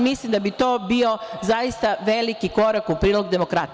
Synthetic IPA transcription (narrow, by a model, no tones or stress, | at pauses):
mislimd̪abit̪o̞ːbio̞zajist̪aʋe̞likiko̞ɾakupɾiːloɡd̪e̞mo̞kɾat̪